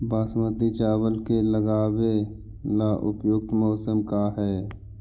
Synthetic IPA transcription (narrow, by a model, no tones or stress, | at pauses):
baːsmət̪it͡ʃaːwəlkeləɡaːwe | laːʔʊpjʊk̚t̪mɔːsəmkaɦɛː